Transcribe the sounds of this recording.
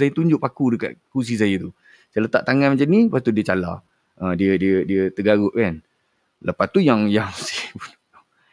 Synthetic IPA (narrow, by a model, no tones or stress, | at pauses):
sajət̪uɲd͡ʒʊʔpakudəka̰ʔ̪̚kus̬is̬ajət̪u | t͡ʃələt̪a̰ʔt̪aŋanmat͡ʃamnipat̪udiət͡ʃala̰ | ʔədiədiədiət̪əɡaɣʊʔkan | ləpast̪ujaŋjaŋsi̥pun